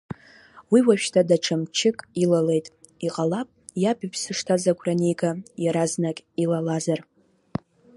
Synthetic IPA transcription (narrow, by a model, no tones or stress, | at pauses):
wiwaʃᶣtʰadaʈ͡ʂʰamt͡ʃʰɪkʼilale̞jtʼ | iqʼalapʼjabipʰsɨʂtʰazaɡʷʰʼranejɡajaɾaznakʲʼilalazar